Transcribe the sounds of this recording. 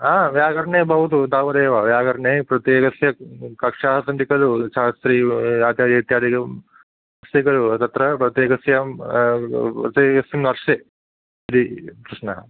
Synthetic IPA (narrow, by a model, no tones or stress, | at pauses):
aːʋjaːɡɐɾɳeːbɐʋut̪ud̪aːʋɐd̪eːʋɐʋjaːɡɐɾɐɳeːpɾɐt̪jeːkɐsjɐkɐkʂaːɦɐsɐnɖ̪ikɐluʃaːst̪ɾiːaːt̪jaːd̪ɐt̪jaːd̪iɐ | ɐst̪ikɐlut̪ɐt̪ɾɐpɾɐt̪jeːkɐsjɐm | pɾɐt̪jeːkɐsjɐmnɐɾʂe | id̪ikɾɪʂnɐɦɐ